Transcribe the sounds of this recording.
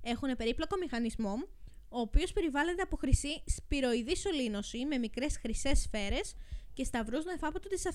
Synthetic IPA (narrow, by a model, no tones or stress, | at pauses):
e̞xune̞pe̞ɾiplo̞ko̞mixɐnizmo̞o̞ːpio̞spe̞ɾivɐle̞t̪̬e̞ɐpo̞xɾisispiɾo̞iðiso̞lino̞sime̞mikɾe̞sxɾise̞sfe̞ɾe̞sce̞st̪ɐvɾuznefɐpot̪ot̪isɐf